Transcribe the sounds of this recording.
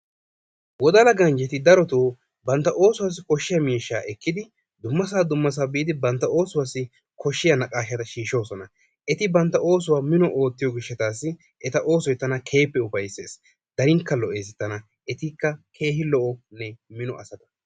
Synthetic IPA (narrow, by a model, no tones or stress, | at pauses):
wɔd̪ɐlɐɡɐnd͡ʒɛt̪ɪd̪ɐɾɔt̪oː | bɐnt̪ːɐʔo̞ːsʊwas̬ːɪkɔʃːɪjɐmiːʃːaːʔɛkːɪd̪ɪ | d̪ʊmːɐs̬aːd̪ʊmːɐs̬aːbiːd̪ɪbɐnt̪ːɐo̞ːsʊwasːɪ | kɔʃːɪjɐnɐkʼaːʃɐt̪ɐʃiːʃo̞ːsɔnɐ | ʔɛt̪ɪbɐnt̪ːɐʔo̞ːs̬ʊwaːmɪnɔʔo̞ːt̪ːɪjɔɡɪʃːɛt̪aːsːɪ | ʔɛt̪ɐʔo̞ːsɔjt̪ːɐnɐkʰe̞ːpːɛʊbɐjse̞ːs | d̪ɐɾɪŋkːɐlɔʔeːsɛt̪ːɐnɐ | ʔɛt̪ɪkːɐkʰe̞ːhɪlɔʔɔnɛmɪnɔʔɐsɐt̪ɐ̥